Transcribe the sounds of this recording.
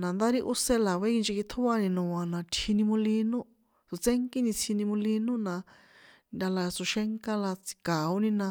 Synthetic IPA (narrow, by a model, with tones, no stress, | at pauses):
nã˨nd̪a˦ɾi˧ʔu˦se˧la˨βe˦ki˧nd͡ʒi˧ki˧t̪ʰo˦βa˧nĩ˧nũ˨ã˨nã˨˧t̪ʰi˧nĩ˧mũ˧li˧nũ˦ | su˨t͡se˦ŋki˦nĩ˧t͡sʰi˧nĩ˧mũ˧li˧nũ˦nã˧ | na˧la˧su˧ʃe˦ŋka˦la˧t͡si̥˧ka˨o˦nĩ˧nã˧